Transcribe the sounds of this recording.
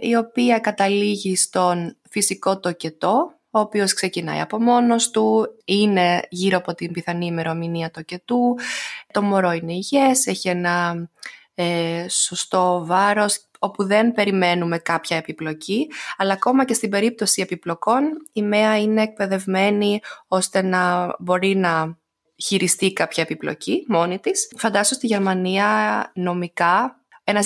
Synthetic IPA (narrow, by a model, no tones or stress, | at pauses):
io̞piɐkɐt̪ɐliʝist̪o̞nfisiko̞t̪oce̞t̪o̞ | oːpio̞skse̞cinɐ̰j̰ɐ̰po̞mo̞no̞st̪uine̞ʝiɾoɐpo̞t̪imbiθɐnime̞ɾo̞miniɐt̪oce̞t̪ut̪o̞mo̞ɾo̞ineiʝe̞se̞çienɐ | eso̞st̪o̞vɐɾo̞s | o̞puðe̞npe̞ɾime̞nume̞kɐpçɐe̞piplo̞ciɐlɐːko̞mɐce̞st̪ibe̞ɾip̚t̪o̞sie̞piplo̞ko̞nime̞ɐine̞ːk̚pe̞ðe̞vme̞nio̞st̪e̞nɐbo̞ɾinɐ | çiɾist̪ikɐpçɐepiplo̞̰cimo̞nit̪isfɐnd̪ɐsost̪iʝe̞ɾmɐniɐno̞mikɐ | e̞nɐ